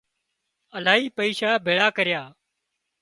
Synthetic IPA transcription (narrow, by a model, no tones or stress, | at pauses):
əlaːiːpəiːʃaːbʱeːɭaːkəɾjaː